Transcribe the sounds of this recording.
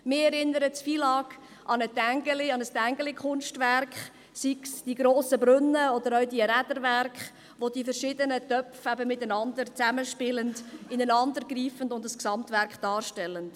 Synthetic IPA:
mɪɛɾɪnəɾətsfiːlɑːk | ʔɑnətæŋɡəlɪɑnəstæŋɡəlɪkʰχʊnʃtvæɾkχ | siksd̥iɡɾoːsəbɾʏnːəɔd̪əɾœɥdiəɾædəɾværkχ | ʋodifəɾʃɪdənətœpfæbəmɪtənɑndəɾt͡sæməʃpɪləndɪnənɑndəɾɡɾiːfəndʊndəsksɑmtvæɾkχd̥ɑːrʃtɛlənd̥

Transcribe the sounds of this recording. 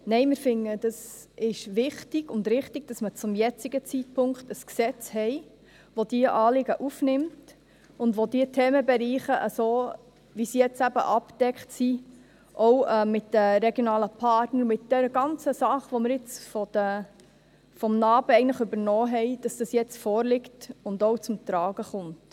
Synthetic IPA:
nɛɪmɪɾfɪŋːəd̥ɑsɪʃʋɪχtɪɡ̥ʊndɾɪχtɪɡ̥̚d̥ɑsmət͡sʊmjɛt͡siɡət͡sit̚pʰʊŋkχtəsksɛt͡shɛɪ | ʋodiəʔɑːlɪɡəʔufnɪmt | ʊndʋodiətʰeːməbɛɾiːχəʔəsoː | ʋisijɛt͡sæbə̰ʔɑpd̥ɛkχtsi | ʔɔwɛmɪtd̥əɾɛɡjonɑːləpʰɑtnəɾmɪt̚d̥ɛɾəɡɑnt͡səsɑχʋoməɾɪt͡sfɔd̥ə | fɔmnɑːb̥əɛɪɡəntləχʉbəɾnɔːɦɛɪd̥ɑsd̥ɑsjɛt͡sfɔːɾlɪktʊndowt͡sʊmt̪ɾɑːɡəχʊnt

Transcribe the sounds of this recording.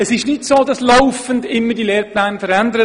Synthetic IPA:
əsɪʃnɪtsoːdɑslaʊfəndɪmːədilɛːɾplaːnfəɾændəɾə

